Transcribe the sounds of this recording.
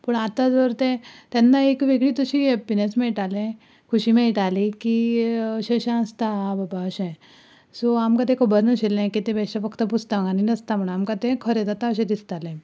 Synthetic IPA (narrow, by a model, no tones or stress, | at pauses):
pəɳat̪ad͡zʋəɾt̪ẽt̪ɛnːaekʋeɡɭiːt̪əɕiepinesmẽiʈalẽ | kʰuɕimẽiʈalikiɕeɕãst̪abəbaɕɛ̃ | soamkat̪ẽkʰobəɾnəɕelẽkit̪ẽbɛɕafəkʰt̪əput͡st̪amɡaninəst̪am̤əɳamkat̪ẽkʰəɾed͡z̪at̪aəɕẽd̪ist̪alẽ